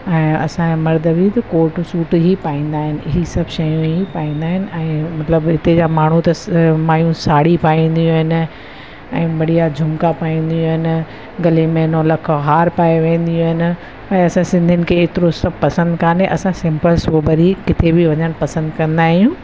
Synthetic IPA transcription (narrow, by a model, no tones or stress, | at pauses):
ɛ̃ːɐsãmɐɾd̪ʱəʋit̪ɐkoːɾʈsuːʈɦipaːĩːn̆d̪aːɦɪnɪɪɦisɐbʱʃɐjũɦipaːĩːn̆d̪aːɦɪnɪ̆ɛ̃ːmɐt̪ləbɦɪt̪ed͡ʑamaːɳ̤ut̪ɐmaːjũsaːɽipaːĩn̆d̪ijũɦɪnɪ̆ | ɛ̃ːbɐɽijad͡ʑʱʊmkapaːĩːnd̪ijũːɦɪnɪ | ɡɐlemẽnolɐkʰɦaːɾpaːeʋẽːnd̪ijũɦɪnɪ̆ | ɛ̃ːɐsãsɪ̃nd̪ʱɪnɪ̆kʰeːeːt̪ɪɾosɐbpɐsə̃nd̪kʰaːneʔɐsãsɪ̃mpəlsobɐɾikɪt̪ʰebɪʋɐɲəɽ̃pɐsə̃nd̪kɐ̃nd̪aːɦijũː